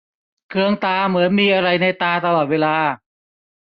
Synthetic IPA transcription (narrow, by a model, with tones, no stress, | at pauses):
kʰɯ˧əŋt̪aː˧mɯ˩˦ənmiː˧ʔa˧ɾa˧jna˧jt̪aː˧t̪a˧lɔː˨˩t̪̚weː˧laː˧